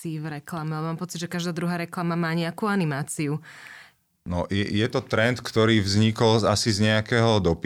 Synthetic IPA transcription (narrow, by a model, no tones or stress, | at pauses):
iːvɾɛklamɛamaːmpɔt͡sid̪ʒɛkaʒd̪aːd̪ɾuɦaːɾɛklamamaːɲɛakuːanimaːt͡siu | nɔjɛ̰jɛt̪ɔt̪ɾɛnt̪kt̪ɔɾiːvzɲikɔlasizɲɛakɛːɦɔd̪ɔp